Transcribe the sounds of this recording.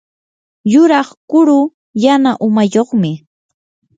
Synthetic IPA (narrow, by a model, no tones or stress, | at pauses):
jʊɾɑχkʊɾʊ | janaʔʊmajoχmɪ